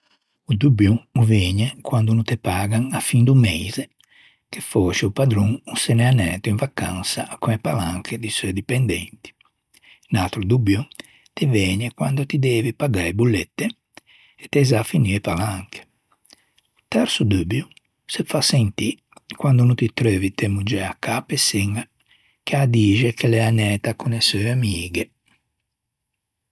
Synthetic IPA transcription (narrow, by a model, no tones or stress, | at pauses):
ud̪ubjuuvɛːɲɛkwand̪unut̪ɛpaːɡaŋafind̪umɛjze | kefoːʃiupad̪ɾuŋusɛnɛanɛːt̪uiɱvakansaʔːkːuɛpalaŋkʰed̪isɔɛd̪ipɛnd̪ɛ̰nt̪i̥ | nalt̪ɾud̪ubju | t̪ivɛːɲɛkwand̪ot̪id̪ɛːvipaɡaebulːɛt̪ːe | ɛt̪ːɛzafiniɾɛpalaŋkʰe̥ | t̪ɛɾsud̪ubju | sɛfasɛnt̪i | kwand̪unut̪it̪ɾøːvit̪ɛmud͡ʒɛakːapːɛsiŋa | k̟ead̪iːd͡ʒɛkʰɛlɛanɛːt̪akunɛsøamiːɡe